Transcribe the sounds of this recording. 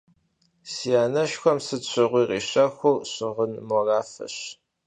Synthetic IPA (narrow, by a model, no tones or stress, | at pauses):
sijaːnɐʃxʷɔmsɨɕʷʰɨʁʷiːʁḭːɕʼɐxʷʊrɕɪʁənmɔraːfɐ̰ɕ